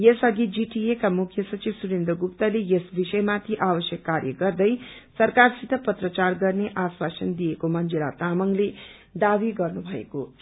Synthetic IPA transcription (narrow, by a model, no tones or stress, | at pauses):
jesʌɡid͡ziʈiekamukʰjʌsʌt͡ʃibsuɾend̪rʌɡupt̪ʌlejesbisʌjmat̪ʰiʔabʌsjʌkːaɾjʌɡʌrd̪ʌjsʌrkarsit̪ʌpʌt̪rʌt͡sarɡʌrneʔaswasʌnd̪ijekomʌnd͡ʒiɾat̪amʌŋle | d̪abiɡʌrnubʱʌḛko